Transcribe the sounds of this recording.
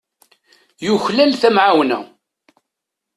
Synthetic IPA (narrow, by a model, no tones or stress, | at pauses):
juçlælθæmʕawnæ̰